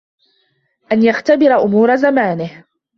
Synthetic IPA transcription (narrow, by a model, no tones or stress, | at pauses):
ʔanjaxt̪abɪɾaʔʊmuːɾazamaːnɪh